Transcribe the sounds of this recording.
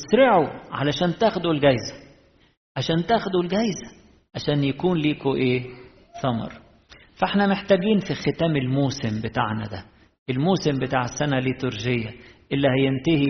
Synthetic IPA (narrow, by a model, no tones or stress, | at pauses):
sɾɪʕuʕa̰læʃæːnt̪æːxʊd̪ulɡæjzæ̥ | ʕaʃæːnt̪æːxʊd̪ulɡæjzæ̥ | ʕaʃæːnjækuːnliːkoʔeː | θˤɑmɑ̰ɾˤ | fæʔeħnæmeħt̪æːɡiːnfixɪt̪æːmɪlmuːsɪmbɪt̪a̰ːʕnæ̰d̪æ̰ | ʔelmuːsɪmbɪt̪aːʕesːænælit̪ʊɾʒɪjːæʔɪlːihæjent̪ɪhi